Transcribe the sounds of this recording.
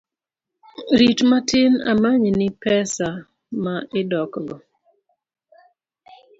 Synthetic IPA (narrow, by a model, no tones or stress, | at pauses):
ɾitmatɪna̰maɲnɪpɛsa | maɪdɔkɡɔ